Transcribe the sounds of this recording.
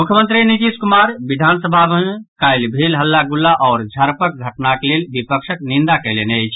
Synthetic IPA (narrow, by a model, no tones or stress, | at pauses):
mukʰjəmənt̪ɾiniʈ̪iskumaɾbid̪ʱansəbʱabənkajlbʱelɦəlːaɡulːaʔɔːɾd͡ʒʱəɾpək̚ɡʱəʈnakelelbipəkʃəknind̪akəjlenəjt͡ʃʰ